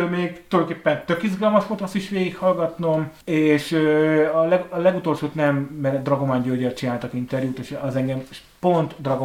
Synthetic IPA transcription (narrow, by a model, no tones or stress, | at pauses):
lmeːɡt̪old̪keːpːɛnt̪ø̞kizɡɒlmɒʃot̪ɒsiʃʋeːɡikhɒlɡɒt̪no̞meːʃøɒlɛlɛɡut̪o̞lʃoːt̪nɛmːɛnɛd̪rɒɡomaːɲɟøɟɒt͡ʃinaːlt̪ɒkint̪ɛrjuːt̪eʃɒzɛŋɡɛmʃ | po̞nt̪d̪rɒɡo